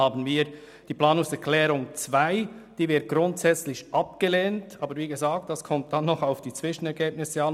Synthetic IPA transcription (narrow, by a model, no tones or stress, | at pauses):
aːbən̩viːɾ | d̥iːplɑːnʊŋsɛɾkʰlɛːɾʊŋt͡svaɪd̥iːvɪɐt̚ɡ̥ɾʊntz̥ɛt͡slɪçʔɑpɡ̥əleːntʰʔɑːbəɾviːɡəzaːk̚t̚d̥askʰɔmt̚d̥anːɔχaʊfd̥iːt͡sv̥ɪʃn̩ɛɾɡeːb̚nɪsɛɑn